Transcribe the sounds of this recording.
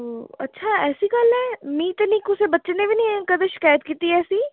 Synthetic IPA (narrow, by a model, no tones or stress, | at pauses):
ɐ̰tːʃʰaɛːsikɐlɦɛmiːt̪nikʊsebɐtːʃenebʱinɐɦĩɛ̃kɐd̪ʃɪ̥kaːjət̪kiːt̪iɛːsiː